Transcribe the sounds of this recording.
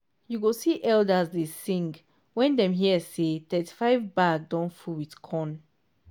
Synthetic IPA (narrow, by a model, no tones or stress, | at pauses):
juɡosiʔɛldəzdesĩŋɡ | wɛ̃ndɛ̃mɦiəsetɛtʰi̥faɪvbaɡ̚dɔ̃nfulwidkʰɔ̃n